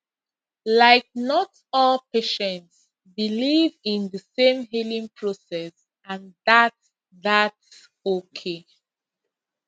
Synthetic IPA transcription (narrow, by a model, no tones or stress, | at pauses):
laɪk̚nɔt | ɔlpeʃɛ̃nts | bilivĩnðəsẽmɦilĩŋpʰɹosɛs | ãndat | ðats | okʰe